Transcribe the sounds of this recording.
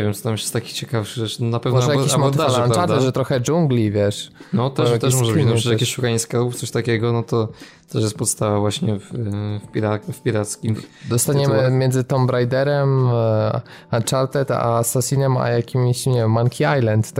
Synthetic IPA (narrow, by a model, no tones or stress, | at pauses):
vjɛmt͡s̪ɔt̪amjjɛ̥st̪akʲi̥t͡ɕɛkafʂɨʐɛʂnɔnapɛvnmɔʐɛjaimɔt̪d̪alanaɾt̪ɛt̪ʐɛt̪ɾɔxɛd͡ʐuŋɡlʲivʲjɛʂnɔt̪ɛt̪ɛʂ̬mɔʐɛvinɔ̃jakʲiʃukaɲiskabuft̪sɔɕt̪akʲɛɡɔnɔt̪ɔ | t̪ɛʂ̬jɛst̪pɔt̪st̪avavwaɕɲɛffpʲiɾafpʲiɾat̪skʲimd̪ɔst̪aɲɛmɘmʲjɛnd̪zɘt̪ɔmbɾajd̪ɛɾɛm | at͡ʂaɾt̪ɛt̪a̰sasʲinɛma̰jakʲimɕɲɛvʲɛmːaŋkʰʲiajlɛnt̪ː